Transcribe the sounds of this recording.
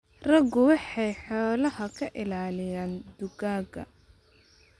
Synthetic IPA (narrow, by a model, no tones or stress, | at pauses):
rɐɡʊwɑħɑjħɔːlɐhɐkʰɐʔɪlaːlɪjaːnd̪ʊɡaːɡɐ̰